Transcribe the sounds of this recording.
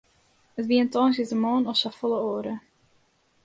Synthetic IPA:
ətʋiəntɔːnsɪdəmoːnɔsɔfolˠəoːɾə

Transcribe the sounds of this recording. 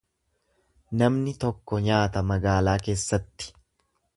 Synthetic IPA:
nɐmnɪt̪ɔkːɔɲaːt̪ɐmɐɡaːlaːke̞ːsːɐt̪ːɪ̥

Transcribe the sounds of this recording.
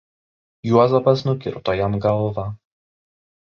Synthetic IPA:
juɔzɔpɐsnʊkʲɪ̰ɾt̪ɔjɛmɡɐlˠʋɐ

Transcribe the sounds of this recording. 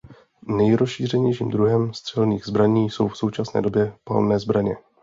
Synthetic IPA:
nɛjɾosʃiːr̝ɛɲɛjʃḭːmd̪ɾuɦɛmst̪r̥ɛlniːɣzbɾaɲiːso̞wfso̞wt͡ʃasnɛ̰ːdo̞bjɛpa̰lnɛːzbɾaɲɛ

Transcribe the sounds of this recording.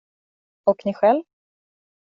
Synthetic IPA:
ɔknɪɧɛlv

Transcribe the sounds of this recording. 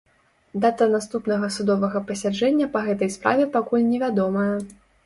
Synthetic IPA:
d̪at̪ɐnast̪upn̪ɐɣɐsud̪ɔvɐɣɐpɐsʲad͡ʐɛnʲːɐpɐɣɛt̪ɐjspɾa̰vʲɛpakulʲnʲɛvʲad̪ɔmɐjɐ

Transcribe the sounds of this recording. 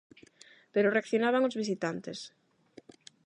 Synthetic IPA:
peɾoreakθjonaβaŋozβis̬it̪ant̪es

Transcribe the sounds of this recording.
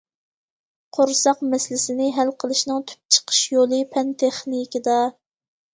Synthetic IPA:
qʰoɾsɑqmɛslɪsɪnɪɦælqʰəlˠɨʃnɨŋt̪ʰy̥p̚t͡ʃʰə̥qʰə̥ʃjolˠɨpʰɛnt̪ʰeχnikʲid̪ɑ

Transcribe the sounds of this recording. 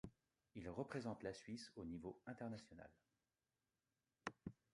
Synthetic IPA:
ilʁəpχezɑ̃t̪lasɥisonivoɛ̃t̪ɛʁnasjɔna̰l

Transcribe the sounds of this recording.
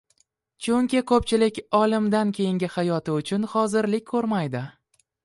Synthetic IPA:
t͡ʃʰʊŋkʲɪkʰɵpt͡ʃʰɪlɪkʲɒlˠɪmd̪ankʲʰe̞jɪŋɡʲɪhajɒt̪ʰɪʊt͡ʃʰʊnχɒzɪɾlɪk̚ʲʰɵɾmajd̪ɪ

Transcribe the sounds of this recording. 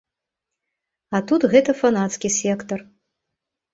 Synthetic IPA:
ɐt̪ut̪ɣɛt̪ɐfanat̪skʲisʲɛkt̪ɐr

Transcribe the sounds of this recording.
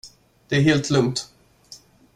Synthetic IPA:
d̪̥ɛæɾɦeːlt̪ʰlɵŋt̪

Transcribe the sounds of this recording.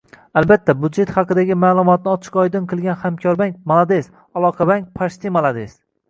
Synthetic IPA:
albat̪ʰːabud̪d͡ʒe̞t̪hɑqɨd̪aɡʲɪmaːlˠʊmɒt̪̚nɪɒt͡ʃʰɪ̥qɒjd̪ɨnqʰɨlˠɡʲanhamkʲʰɒɾbaŋk̚ʲmalˠad̪es | alˠɒqʰɑbaŋk̚ʲpʰaʃt̪ʰɪmalˠad̪es

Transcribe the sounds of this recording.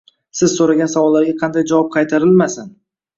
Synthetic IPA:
sɪzsoɾaɡʲansavɒlˠːaɾɡʲaqʰɑnd̪ajd͡ʒavɒp̚qʰɑjt̪ʰaɾɪlmasan

